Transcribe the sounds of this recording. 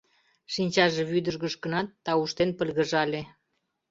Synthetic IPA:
ʃinʲt͡ɕɑʒeβyd̪əʒɣə̆ʃkənɑt̪ːɑuʃt̪enpə̆lɣə̆ʒɑlʲe

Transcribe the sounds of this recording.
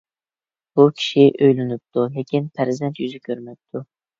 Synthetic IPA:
b̥ukʲʰi̥ʃiʔøjlɪnɪp̚t̪ʰulɪkʲʰinpʰæɾzɛnt̪jyzɪkʲʰøɾmɛp̚ʲt̪ʰu

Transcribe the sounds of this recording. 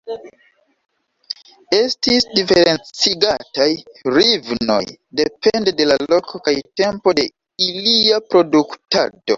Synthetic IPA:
e̞stisdifeɾe̞nt͡siɡatajɾivno̞̰jde̞pʰendde̞lalo̞kokajte̞mpo̞de̞ | iliapɾo̞dukta̰do̞̰

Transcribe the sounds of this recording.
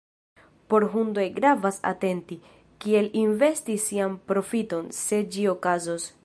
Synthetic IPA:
po̞ɾɦundojɡɾavasa̰te̞nti | kie̞linve̞stisːianpɾo̞fito̞nse̞d͡ʒio̞kazos

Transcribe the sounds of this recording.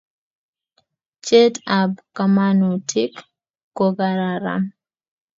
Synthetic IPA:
t͡ʃetabkamanutʰik | kɔɡaɾaɾa̰m

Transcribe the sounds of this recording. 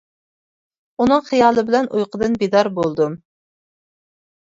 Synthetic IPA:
unɨŋχijɑːlˠɨbɪlɛnʔujqʰəd̪ɨnbid̪ɑɾbolˠd̪um

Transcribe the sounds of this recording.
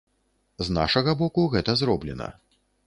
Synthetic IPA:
zna̰ʂɐɣɐbɔkuɣɛt̪ɐzɾɔblʲɛ̰nɐ̰

